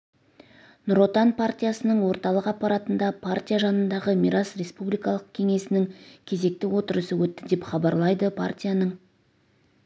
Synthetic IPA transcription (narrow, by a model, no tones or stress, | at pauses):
nʊɾo̞t̪anpʰart̪ʲijasənəɴwo̞ɾt̪ɑlˠəqɑpːɑɾɑt̪ənd̪ɑpʰart̪ʲijaʒɑnənd̪ɑʁəmiɾasre̞spublijkɑlˠəqkʲʰe̞ŋe̞sɪnɪŋkʲʰe̞ze̞k̚t̪ɪwo̞t̪əɾəsəwɵt̪ːɪd̪e̞pχɑbɑɾlˠɑjd̪əpʰa̰rt̪ʲijanəɴ